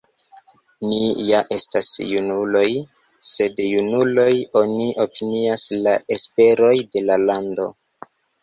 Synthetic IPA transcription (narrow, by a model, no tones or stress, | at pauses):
nijaʔe̞stasjunulo̞j | se̞djunulo̞jo̞niʔo̞piniaslaʔe̞spe̞ɾo̞jde̞lalando̞